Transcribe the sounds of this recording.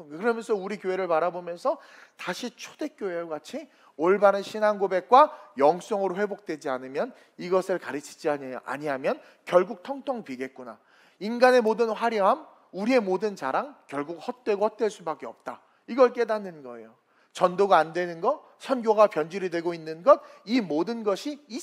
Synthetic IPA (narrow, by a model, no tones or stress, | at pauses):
kɯɾʌmjʌnsʰʌuɾikjoɦe̞ɾɯɭpaɾabomjʌnsʰʌtaɕʰit͡ɕʰode̞k͈joejoɡat͡ɕʰi | oɭbanɯɕʰinanɡobe̞k̚k͈wajʌŋs͈ʌŋɯɾoɸwe̞bok̚t͈we̞d͡ʑianɯmjʌn | iɡʌsʰɯɭkaɾɯt͡ɕʰi̥d͡ʑia̰ɲiɦamjʌn | kjʌɭɡuk̚tʰʌŋtʰʌŋpɥiɡe̞t̚k͈una | inɡane̞modɯnɸwaɾjʌam | uɾie̞modɯnt͡ɕaɾaŋkjʌɭɡuk̚hʌt̚t͈we̞ɡohʌt̚t͈weɭs͈ubak͈eʌp̚t͈a | iɡʌɭk͈e̞danːɯnɡʌe̞̰jo | t͡ɕʌndoɡaandwe̞nɯnɡʌ | sʰʌnɡjoɡapjʌnd͡ʑiɾidwe̞ɡoinːɯnɡʌd̚imodɯnɡʌɕʰiː